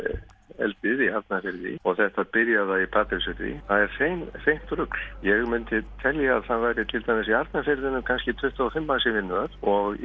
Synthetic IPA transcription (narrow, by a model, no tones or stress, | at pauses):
ɛ̰lt̪ɪðiaɾt̪nafɪɾðɪ̰ɔɣθɛht̪aðpɪɾjaðaipʰaːt̪ɪɾsʏɾðɪ̰θaðɛɾ̥sejmfejm̥t̪ɾʏkl̥jɛɣmʏnt̪ɪt̪ʰɛljaːðsanvaːjɾɪt̪ʰɪlt̪ʰamɪsiaɾt̪nafɪɾðɪnʏmkʰanscɪt̪ʰvʏht̪afɪmːasɪvɪnːʏaɾ̥ɔɣ